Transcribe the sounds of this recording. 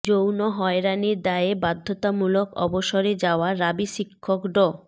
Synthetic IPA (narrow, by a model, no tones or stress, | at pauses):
d͡ʑownoɦɔeɾaniɾd̪aebad̪ʱːot̪amulokɔ̰boʃoɾed͡ʑaoaɾabiʃikʰːokɖɔ